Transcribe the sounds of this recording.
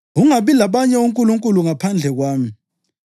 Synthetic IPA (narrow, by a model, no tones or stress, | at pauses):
ɣuŋaɓilaɓaɲɛuŋkʼuluŋkʼuluŋapʰand͡ɮʱɛɣwaːmi